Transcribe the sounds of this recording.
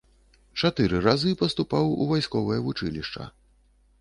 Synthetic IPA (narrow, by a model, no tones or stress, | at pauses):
t͡ʂat̪ɨɾɨɾazɨpɐst̪upawuvajskɔvɐjɐvut͡ʂɨ̰lʲiʂt͡ʂɐ̰